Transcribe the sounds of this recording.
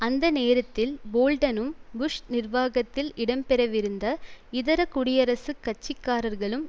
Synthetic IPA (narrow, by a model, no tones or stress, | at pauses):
ɐnd̪ɐneːɾɐt̪ːɪlboːlɖɐnɯmbʊʂnɪɾʋaːɣɐt̪ːɪlɪɽɐmpɛɾɐʋɪɾɯnd̪ɐɪðɐɾɐkʊɽɪjɐɾɐsɯkːɐt͡ʃːɪkːaːɾɐɾɣɐɭɯm